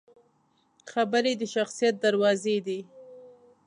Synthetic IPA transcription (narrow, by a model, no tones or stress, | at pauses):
xabəɾed̪əʃaxsijat̪̚d̪aɾwɑzed̪i